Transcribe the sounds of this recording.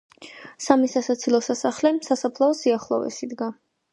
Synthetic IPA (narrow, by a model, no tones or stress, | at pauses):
samisasat̪sʰilˠɔsasaχlɛsasapʰlˠaɔsiaχlˠɔ̰vɛ̰sid̪ɡa